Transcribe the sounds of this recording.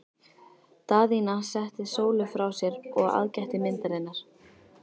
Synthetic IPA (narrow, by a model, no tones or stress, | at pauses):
t̪aːðinasɛht̪ɪsoːwlʏfɾawsjɛɾɔɣa̰ðcɛht̪ɪmɪnt̪aɾɪnːaɾ̥